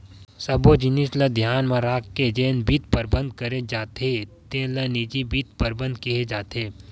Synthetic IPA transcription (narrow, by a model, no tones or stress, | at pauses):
sɐbod͡ʒɪnisləd̪ʱjaːnmãɾaːkked͡ʒeːnbit̪̚pɐɾbə̃nd̪̚kɐɾed͡ʒaːt̪et̪ẽlənid͡ʒibit̪̚pɐɾbə̃nd̪kiɦed͡ʒaːt̪eː